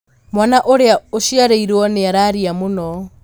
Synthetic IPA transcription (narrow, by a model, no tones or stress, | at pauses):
mwanaʔoɾeaoʃiaɾeiɾɔneaɾaɾiamonɔ